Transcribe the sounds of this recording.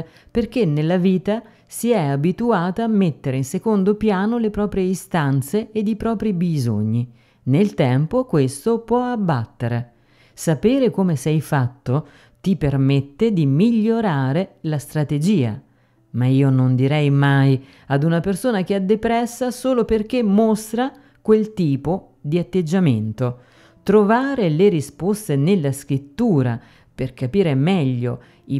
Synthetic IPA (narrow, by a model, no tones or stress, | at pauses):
perk̟enːelːaviːt̪a | siɛabit̪uaːt̪aːmːet̪ːeɾeinsekond̪opjaːnolepɾɔːpɾjeist̪ant̪seːd̪ipɾɔːpɾibizo̰ɲːi | nelt̪ɛmpokwest̪opwɔabːat̪ːeɾe | sapeːɾekomesɛjfat̪ːo | t̪ipermet̪ːed̪imiʎːoɾaːɾelast̪ɾat̪ed͡ʒiːa̰ | maiːonond̪iɾɛjmaj | ad̪unapersoːnak̟eɛd̪ːepɾɛsːasoːloperk̟emːost̪ɾa | kwelt̪iːpo | d̪iat̪ːed͡ʒːament̪o | t̪ɾovaːɾeleɾispost̪enelːaskɾit̪ːuːɾa̰ | perkapiːɾemɛʎːo | i